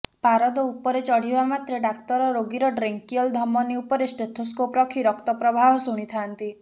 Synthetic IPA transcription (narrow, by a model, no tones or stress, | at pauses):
paɾɔd̪ɔupɔɾet͡ʃɔɽ̤ibamat̪ɾeɖak̚t̪ɔɾɔɾoɡiɾɔɖɾeŋkiɔld̪ʱɔmɔniupɔɾesʈet̪ʰoskopɾɔkʰiɾɔkt̪ɔpɾɔbʱaɦɔsuɽ̃it̪ʰant̪i